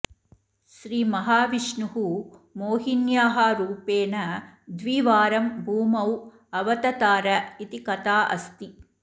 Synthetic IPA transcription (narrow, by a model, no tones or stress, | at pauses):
ʃɾiːmɐɦaːʋiʂɳuɦumoːɦinjaːɦaːɾuːpeːnɐd̪ʋiːʋaːɾɐmbʱuːmɐw | ɐʋɐt̪ɐt̪aːɾɐit̪ikɐt̪aːʔɐ̰st̪i